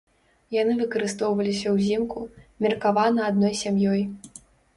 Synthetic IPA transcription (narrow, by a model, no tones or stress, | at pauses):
janɨvɨkɐɾɨst̪ɔwvɐlʲisʲɐwzʲimkumʲirkavanɐad̪nɔjsʲamjɔj